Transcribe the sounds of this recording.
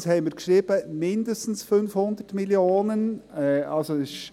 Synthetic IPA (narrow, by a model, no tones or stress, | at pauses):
shɛmiɪːɾɡʃʁiːb̥əmɪndəstn̩sfʏnfhʊnd̪ətmɪljoːnənɛʔɑlsoɪʃ